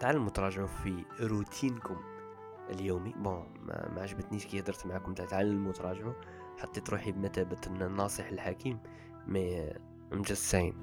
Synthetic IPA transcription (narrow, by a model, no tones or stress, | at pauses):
t̪aʕalːəmʊt̪ɑɾˤɑʒʕufiɾut̪ʰinkʊm | ʔəljumibõ̰ | maʕaʒbət̪niskijhd̪əɾˤt̪mʕakʊmt̪aʕt̪ʕalːəmʊt̪ɑɾˤɑʒʕu | ħɑt̪ˤːet̪ɾuħibmæt̪æbət̪ənːnːɑsˤiħəlħakʰimː | æ | mʒæsain